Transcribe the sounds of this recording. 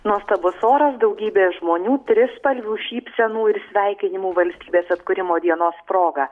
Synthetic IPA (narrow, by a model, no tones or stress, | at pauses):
nuɔst̪ɐbʊsoːɾɐsd̪ɒʊɡʲiːbʲeːʒmoːnʲuːt̪ʲɾʲɪspɐlʲʋʲuːʃʲiːpʲsʲɛnuːɪɾsʲʋʲɛɪkʲɪnʲɪmuːʋɐlʲsʲt̪ʲiːbʲeːsɐt̪kʊɾʲɪmoːd̪ʲiɛnoːspɾoːɡɐ